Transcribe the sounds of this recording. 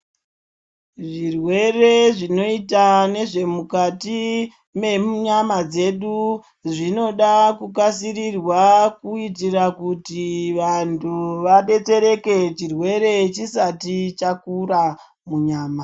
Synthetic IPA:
ʐirwe̞re̞ʐino̞itane̞ʐe̞mukati | me̞mɲamad͡ze̞ɗu | ʐino̞ɗakukasirirwakuit̬irakutiʋantʰuʋaɓe̞t͡se̞ɾe̞ke̞t͡ʃirwe̞ɾe̞t͡ʃisatit͡ʃakura | muɲaːma

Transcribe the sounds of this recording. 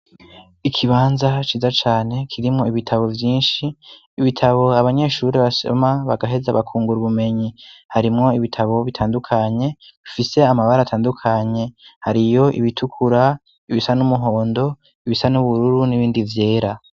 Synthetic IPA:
ikʰiβaːnzat͡ʃiːzat͡ʃaːne̞kʰiɾimŋo̞iβitʰaβo̞vjiːnʃiː | βitʰaβo̞aβaɲe̞ːʃuːɾiβaʃo̰maβaɡaɦe̞zaβakʰuːŋɡuɾuβume̞ɲihaɾimŋo̞iβitʰaβo̞βitʰaːndukʰaɲe̞βifise̞amaβaɾaːtʰaːndukʰaɲe̞haɾijo̞ʔḭβitʰukʰuɾa | iβisanumuɦo̞ːndo̞ | iβisanuβuɾuɾuniβiːndivje̞ːɾa

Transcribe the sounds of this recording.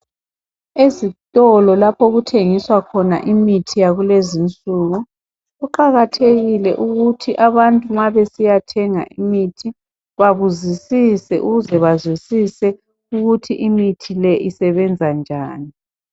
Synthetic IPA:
ezitʼɔlɔlapʰɔɣutʰeŋiswakʰɔna̰ʔimitʰijaɣulezint͡sʼuɣu | ɣuǃaɣatʰeɣilɛʔuɣutʰiʔaβantʼumaβesijatʰɛŋa̰ʔimitʰi | βaβuzisisɛʔuɣuzɛβazwisisɛ | uɣutʰiʔimitʰilɛʔisɛβɛnd͡zʱand͡ʒʱaːni

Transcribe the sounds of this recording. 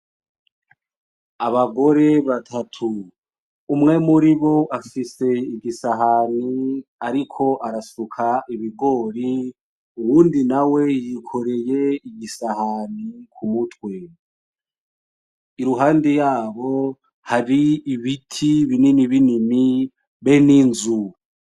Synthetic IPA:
aβaɡo̞ɾe̞βatʰatʰu | umŋe̞muɾiβo̞ʔafise̞iɡisaɦaniaɾikʰo̞ʔaɾasukʰaʔiβiɡo̞ɾi | uwuːndinawe̞jikʰo̞ɾe̞je̞iɡisahanikʰumutwe̞ | iɾuɦaːndijaːβo̞ | haɾiiβitʰiβinimiβinimi | βeniːnzu

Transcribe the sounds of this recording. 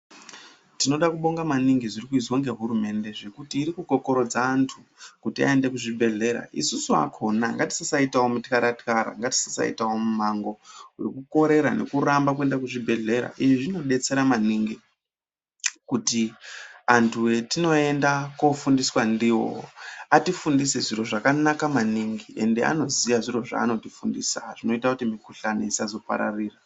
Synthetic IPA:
tino̞ɗakuɓo̞ŋɡamaniŋɡiʐirikuizwo̞ŋɡe̞ɦurume̞nde̞ʐekutiːɾikuɡʱo̞ko̞ɾo̞d͡zaːntʰukutia̰e̞nde̞kuʐibʱe̞ɮe̞ɾa̰ʔḭsusua̰kʰo̞naŋɡati̥sisaitawomutkaɾatkaɾa̰ŋɡati̥sisa̰ḭtawo̞mumaŋɡo̞urikuko̞ɾe̞ɾa̰ne̞̰kurambak̬ue̞ndakuʐibʱe̞ɮe̞ɾa̰ʔiʐiʐino̞ɗe̞t͡se̞ɾamaniŋɡi | kutiantʰuwe̞tino̞e̞ndakofundiswandiːwo̞̰atifundiseʐiro̞ʐakanakamaniŋɡiʔe̞nde̞a̰no̞ziʋaʐiro̞ʐa̰ːno̞tifundḭːsaʐ̥ino̞itakutimikuɬaneisazo̞pa̰ɾa̰riːra

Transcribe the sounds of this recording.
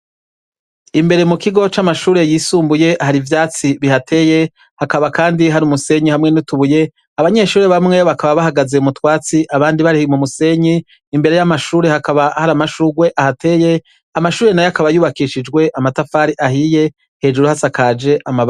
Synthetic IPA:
imbe̞ɾe̞mukiɡo̞t͡ʃamaʃuːɾe̞jiːsuːmbuje̞ʔhaɾivjaːt͡siβihatʰe̞je̞ | hakaβakaːndiɦaɾumuse̞ɲihamŋe̞nutuβuje̞ | aβaɲe̞ʃuːɾeβamŋe̞βakaβaβahaɡaze̞umutwaːt͡siʔaβaːndiβaɾihiimumuse̞ɲiː | mbe̞ɾe̞jamaʃuːɾe̞hakaβahaɾamaʃuɡwe̞ʔahatʰe̞ːje̞ | amaʃuːɾe̞najakaβajuːβakiʃid͡ʒɡwe̞ʔamatafaɾiʔahije̞ | he̞d͡ʒuɾuhasakaːd͡ʒe̞ʔama

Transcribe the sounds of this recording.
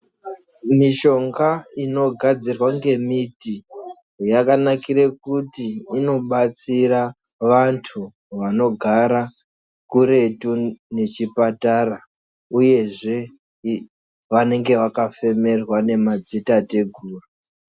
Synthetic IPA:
miʃo̞ŋɡaino̞ɡʱad͡zirwaŋɡe̞miti | jakanakiɾekutiːno̞ɓat͡sira | ʋantʰu | ʋano̞ɡʱaɾa | kuɾe̞tune̞t͡ʃipatara | uje̞ʐe̞ | ʋane̞ŋɡe̞ʋakafe̞me̞rwane̞mad͡zitate̞ɡʱuːru

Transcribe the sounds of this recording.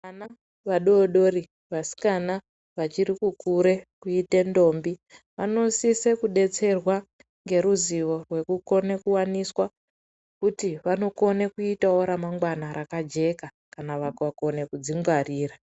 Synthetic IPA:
ʋana | ʋaɗoɗo̞ɾi | ʋasi̥kana | ʋat͡ʃiɾikukuɾe̞kuite̞ndo̞ːmbi | ʋanosisekuɗe̞t͡se̞rwa | ŋɡe̞ɾuziʋo̞rwe̞kuko̞nekuwaniswa | kutiʋano̞ko̞nekuitawo̞ɾamaŋɡwanaɾʔakad͡ʒe̞ka | kanaʋakʋako̞ne̞kud͡ziŋɡwariːra

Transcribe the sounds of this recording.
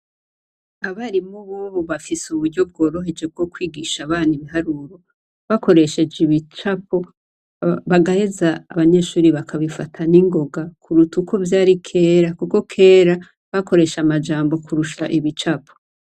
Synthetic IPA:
aβaɾimuβoːβoβafisuβuɟɟo̞b̚ɡo̞ːɾo̞ɦe̞d͡ʒe̞b̚ɡo̞kwiːɡiʃaβaːniβiɦaɾuɾo̞ | βako̞ɾe̞ʃe̞d͡ʒiβit͡ʃapo̞ | βaɡahezaːβaɲe̞ːʃuːɾiβakʰaβifatʰaniŋɡo̞ɡakʰuɾutukʰo̞vjaːɾikʰe̞ːɾakuko̞kʰe̞ːɾa | βako̞ɾe̞ʃamad͡ʒaːmbo̞kuɾuʃaʔiβit͡ʃapʰo

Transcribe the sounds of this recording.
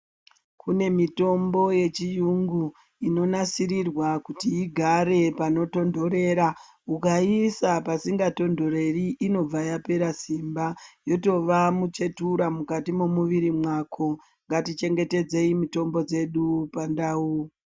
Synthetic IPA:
kʰune̞mito̞mbo̞je̞t͡ʃijuŋɡu | ino̞nasiɾirwakutiiɡʱaɾe̞pano̞to̞ndo̞ɾe̞ːɾa | ukaisapasiŋɡato̞ndo̞ɾe̞riʔino̞b͡vajape̞ɾasimbajo̞to̞ʋamut͡ʃe̞tuɾamukatimomuʋiɾimwakʰo | ŋɡatit͡ʃe̞ŋɡe̞te̞d͡ze̞imito̞mbo̞d͡ze̞ɗupandauː

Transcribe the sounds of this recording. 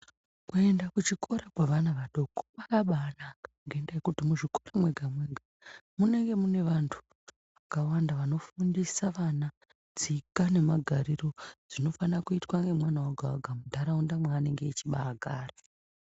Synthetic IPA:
kue̞ndakut͡ʃikʰo̞ɾakwaʋanaʋaɗo̞kʰo̥ɓakaɓaːnakḁŋɡaendajekutimuʐiko̞ramwe̞ɡʱamweɡʱa | mune̞ŋɡe̞mune̞ʋantʰu̥ | ʋakawandaʋano̞fundisaʋana | d͡zikane̞maɡʱaɾiro̞d͡zino̞fanakuitwaŋɡe̞mwanawoɡʱawaɡʱamudʱaɾaundamwaːne̞ŋɡe̞ːt͡ʃiɓaːɡʱaːra

